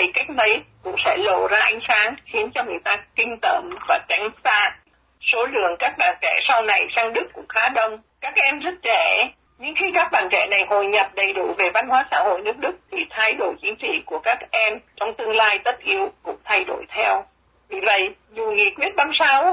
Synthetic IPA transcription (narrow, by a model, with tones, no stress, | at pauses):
t̪i˨˩ka˦˥jk̟̚mə˨˦jkʊ̰˧˥ŋ͡msɛ̰˧˥lo˧˩zaː˧ʔa˨˦jŋ̟saː˨˦nxi˨˦ənt͡ɕɔ˧ŋɨ˨˩əjt̪aː˧kï˧ŋ̟t̪ə̰˧˩mvaː˨˩t͡ɕa˨˦jŋ̟saː˧˥ | so˨˦lɨ̰˧˨əŋkaː˦˥k̚ɓa̰ː˧˨˩nt͡ɕɛ̰˧˩sa˧wna˨˩jsaː˧ŋɗɨ˦˥kːʊ̰˧˥ŋ͡mxaː˨˦ɗə˧˩wŋ͡m | kaː˦˥k̚ʔɛ˧mzə˦˥t̚t͡ɕɛ˧˩ | ɲɨ˧ŋxi˧kaː˦˥k̚ɓaː˧˩nt͡ɕɛ̰˧˩na˨˩jho˨˩jɲə˨˩p̚ɗə˨˩jɗṵ˧˩ve˨˩va˧nhwaː˨˦sa̰ː˧˥ho̰˧˨jnɨ˦˥k̚ɗɨ˦˥k̚t̪ʰi˨˩t̪ʰaː˨˦jɗo˧˩jt͡ɕi˨˦ŋt͡ɕḭ˧˨ku˧˩əkaː˦˥k̚ʔɛ˧mt͡ɕɔ˧wŋ͡mt̪ɨ˧əŋlaː˧jt̪ə˦˥t̚ʔi˨˧˦əwkʊ̰˧˥ŋ͡mt̪ʰa˧jɗo̰˧˩jt̪ʰɛ˧w | vi˨˩və̰˧˨jzu˨˩ŋḭ˧˨kwi˦˥ət̚ɓaː˧msa˧w